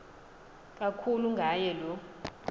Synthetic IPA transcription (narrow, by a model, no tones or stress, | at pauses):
k̬ʼakʰuluŋɡʱajɛlɔ